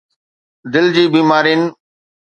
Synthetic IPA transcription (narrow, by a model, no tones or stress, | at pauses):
d̪ɪld͡ʑiːbiːmaːɾiːnɪ